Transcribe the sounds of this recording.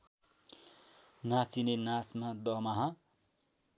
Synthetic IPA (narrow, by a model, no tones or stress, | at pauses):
nat͡sinenasmad̪ʌmaɦʌ